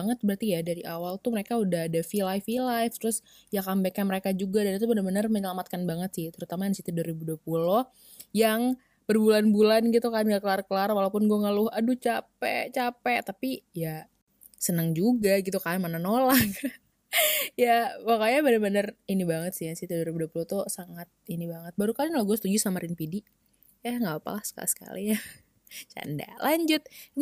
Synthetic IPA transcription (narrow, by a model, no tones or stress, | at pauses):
ŋət̪̚bəɾart̪ijadaɾiʔawalt̪uməɾekaudaɦadafilajfilajft̪ɾʊs | jakambekaməɾekad͡ʒuɡadanit̪̬ubənərbənərməɲəlamat̪̚kanbaŋət̪sɪht̪əɾut̪amajaŋsit̪iduaɾibuduapulɔh | jaŋ | b̥ərbulanbulanɡit̪ukanɡakəlarkəlarwalapʊnɡuaŋalʊhadut͡ʃapɛt͡ʃapɛʔt̪apija | sənəŋd͡ʒuɡaɡit̪ukamananolak | jawakajabənəbənərinibaŋət̪siasit̪udaɾibuduapulot̪ʊsaŋat̪̚inibaŋət̪̚baɾukalŋlaɡuasət̪ud͡ʒusamaɾinpidi | jaŋɡabapa̰lahsə̥ka̰lḭsə̥ka̰lia | t͡ʃa̰nda̰laɲd͡ʒʊt̪̚